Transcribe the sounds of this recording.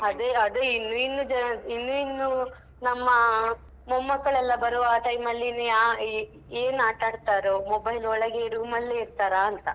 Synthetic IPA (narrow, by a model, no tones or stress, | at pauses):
ɐd̪eɐd̪einːuinːud͡ʒɐnɐinːuinːu | nɐmːɐ | mumːɐkːɐɭɛlːɐbɐɾuʋaʈɐjmɐlːinea | eːnaːʈaːɽt̪aːɾomobɐjlɔɭɐɡeɾuːmɐlːeiɾt̪aːɾaːnt̪ɐ